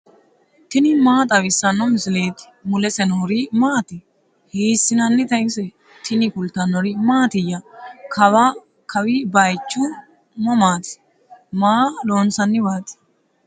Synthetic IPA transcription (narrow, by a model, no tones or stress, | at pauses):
t̪ɪnɪmaːt̪ʼɐwɪsːɐnːɔmɪsɪleːt̪ɪ̥ | mʊlɛsɛnɔɔɾɪmaːt̪ɪ | hiːsːɪnɐnːɪt̪ɐɪsɛ | t̪ʰɪnɪkʊlt̪ɐnːɔɾɪmaːt̪ɪjːɐkʰɐwa | kʰɐwɪbɐjt͡ʃːʊ | mɔmaːt̪ɪ̥ | maːloːnsɐnːɪbaːt̪ɪ̥